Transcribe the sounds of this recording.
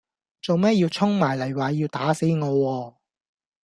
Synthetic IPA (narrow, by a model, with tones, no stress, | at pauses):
t͡so˨wmɛː˥jiː˧wt͡sʰʊ˥ŋmaː˨˩jlɐ˨˩jwaː˨jiː˧wt̪aː˨˥se˨˥jŋɔː˨˧wɔː˧